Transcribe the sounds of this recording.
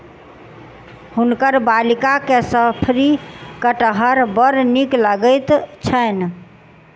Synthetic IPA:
hunkəɾbalikakesəpʰɾikəʈəɦəɾbəɾnikləɡət̪t͡ʃʰən

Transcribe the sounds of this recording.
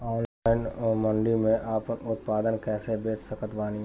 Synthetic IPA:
ɔːnlaːɪnmə̃ɳɖimẽʔaːpənʊt̪paːd̪ənkɛːsebeːt͡ʃsəkət̪ʋaːniɦ

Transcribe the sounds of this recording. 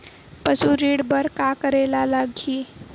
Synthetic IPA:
pəsuɾiːɽbəɾkakəɾeːlalaɡʱiː

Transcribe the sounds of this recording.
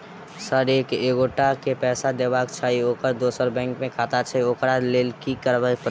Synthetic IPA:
səɾekeɡoʈakepɛːsad̪ebakt͡ʃʰaiokəɾd̪osəɾbɛ̃ŋkmẽkʰat̪at͡ʃʰəiokɾalelkikəɾbəp

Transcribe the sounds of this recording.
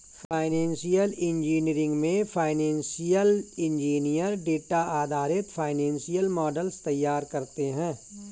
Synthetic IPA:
pʰaːɪnɛ̃ːnsijəlɪ̃nd͡ʒiːniɾɪ̃ŋɡmẽpʰaːɪnɛ̃ːnsijəlɪ̃nd͡ʒiːnijəɾɖeːʈaaːd̪ʱaːɾɪt̪fʰaːɪnɛ̃ːnsijəlmɔːɖəlst̪ɐjːaːɾkɐɾt̪eɦɛ̃ː

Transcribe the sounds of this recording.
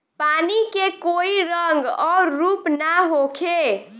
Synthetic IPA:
panikekoiɾəŋɡɔɾɾupnaɦokʰe

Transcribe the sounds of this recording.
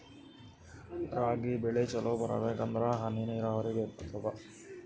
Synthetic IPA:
ɾaːɡibɛɭet͡ʃɐloːbɐɾɐ̰beːkɐnd̪ɾaɦɐniniɾaːʋɐɾibeːtɐt̪ʰːɐbɐ

